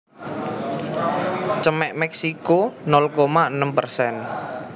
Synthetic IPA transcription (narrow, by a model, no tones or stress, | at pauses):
t͡ʃəmɛʔmɛksikonɔlkomaənəmpərsɛn